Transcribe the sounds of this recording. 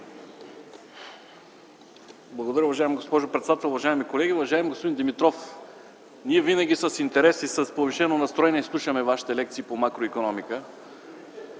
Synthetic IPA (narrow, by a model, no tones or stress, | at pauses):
blˠɐɡod̪ɐɾəʊvɐʒaɛmɡospɔʒopɾɛt̪sd̪at̪ɛlˠʊvɐʒaɛmikolɛɡʲiʊvɐʒaɛmɡospod̪ind̪imit̪ɾɔf | niɛvinəɡʲisɐsint̪ɛɾɛsisəspoviʃɛnonɐst̪ɾoɛniɛslˠuʃəmɛvaʃi̥t̪ɛlɛk̚t̪siːpomakɾoikonɔmikə